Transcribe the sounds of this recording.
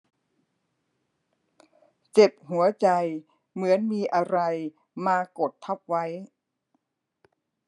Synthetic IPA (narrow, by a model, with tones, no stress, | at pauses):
t͡ɕe˨˩p̚hu˩˦ɐt͡ɕa˧j | mɯ˩˦ənmiː˧ʔa˧ɾa˧j | maː˧ko˨˩t̪ʰːa˦˥˩p̚wa˦˥j